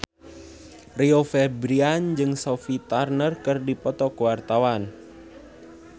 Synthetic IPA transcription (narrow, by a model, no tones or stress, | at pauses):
riofɛbɾiand͡ʒɨŋsofit̪arnərkɨrdipɔt̪ɔkəwart̪awan